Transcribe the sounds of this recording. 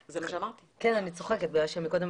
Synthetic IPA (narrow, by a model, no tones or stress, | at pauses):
zemaʃeamaʁt̪ikenanit͡so̞χe̞ket̪̚biɡlalʃemiko̞d̪em